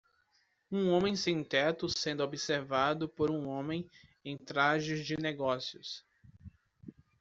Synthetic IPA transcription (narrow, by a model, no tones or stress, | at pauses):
ũõmẽj̃sĩnt̪ɛt̪ʊsẽnd̪ʊobiseɾvad̪ʊpoɾũõmẽj̃ẽj̃t̪ɾaʒɪzd͡ʒɪneɡɔsiʊs